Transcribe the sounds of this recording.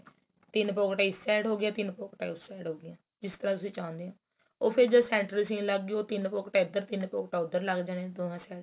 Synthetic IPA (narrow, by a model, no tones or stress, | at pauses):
t̪ɪnpoːkʈaːɪsːɛːɽɦoːɡɪjaːt̪ɪnpoːkʈaːʊsɛːɖɦoːɡɪjãː | d͡ʒɪst̪əɾãːt̪ʊsĩːt͡ʃaːʊ̃nd̪eːɦãː | oːpʰɪɾd͡ʒaːsɛ̃ːɳʈɾəlsĩːnləɡːoːt̪ɪnpoːkʈaːʊd̪ːəɾt̪ɪnpoːkʈaːʊd̪ːəɾləɡd͡ʒãːneːd̪oːnãːsɛːɖ